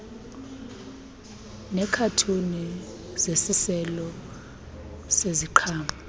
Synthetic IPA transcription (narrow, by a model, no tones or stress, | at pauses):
nɛkʰatʰuni | zesisɛlɔ | seziǃʰaːma